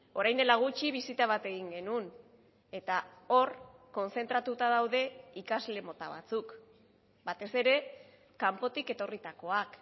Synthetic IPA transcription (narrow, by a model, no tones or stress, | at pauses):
o̞ɾajnd̪e̞laɣ̞ut͡ʃiβ̞isit̪aβ̞at̪e̞ɣiŋɡe̞nun | e̞t̪ao̞rko̞nse̞nt̪ɾat̪ut̪aðawðe̞ikazle̞mo̞t̪aβa̰t͡suk | bat̪e̞se̞ɾe̞ | kampo̞t̪ike̞t̪o̞rit̪ako̞ak